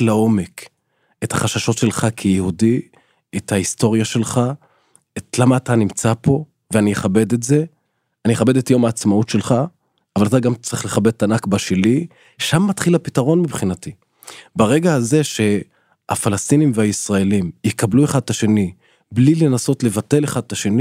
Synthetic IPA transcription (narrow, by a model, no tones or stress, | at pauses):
lao̞me̞k | e̞thaχaʃaʃo̞tʃe̞lχakʰejehudi | ethaisto̞ʁjaʃe̞lχa | etlamaːtanimt͡sapo̞ | veanijeχabe̞de̞tze̞ | anijeχabe̞detajo̞maːt͡smautʃelχa | avalataɡamt͡sʁiχleχabed̚tːanakbaʃeli | ʃamːatχilapitaʁo̞nmibχinati | baʁe̞ɡaaze̞ʃe̞ | a̰falastinimveaisʁae̞limjekablueχad̪̚taʃe̞ni | blile̞naso̞tle̞vate̞leχad̪̚taʃe̞ni